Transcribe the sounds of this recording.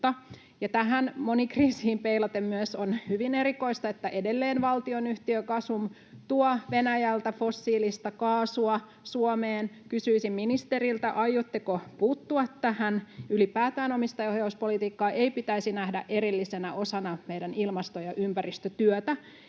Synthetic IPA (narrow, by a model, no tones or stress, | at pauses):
t̪ɑ | jɑt̪æɦænmonikriːsiːmpeilɑt̪emmyøsonhyʋinerikoist̪ɑet̪ːæʔedelːeːnʋɑlt̪ionyht̪iøkɑsʋum | t̪uɑʋenæjælt̪æfosːiːlist̪ɑkɑːsuɑ | suomeːnkysyisimminist̪erilt̪æʔɑjot̪ːekopuːt̪ːuɑt̪tæhænylipæːt̪æːnomist̪ɑohjɑuspolit̪iːkːɑːʔeipit̪æisinæhdæʔeɾilːisenæʔosɑnɑmeidænilmɑst̪ojɑʔympærist̪øt̪yøt̪æ